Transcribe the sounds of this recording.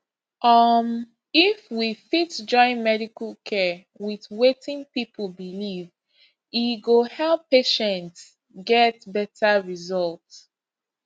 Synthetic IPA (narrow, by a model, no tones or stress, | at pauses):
ʔʌm | ifwifitd͡ʒɔ̃ɪ̃nmɛɾikəlkʰɛ | wiðwetĩŋpipʰəbiliv | iɡohɛlˠpːeʃɛ̃nts | ɡɛt̚bɛtʰaɹizɔlt